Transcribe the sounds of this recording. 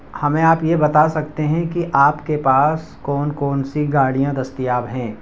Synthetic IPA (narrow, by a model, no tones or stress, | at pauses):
hɐmẽaːpjebɐt̪asɐk̚t̪eɦɛ̃kiʔaːpkepaːs | kɔːnkɔːnsiɡaːɽijãd̪ɐst̪ijaːbɦɛ̃ː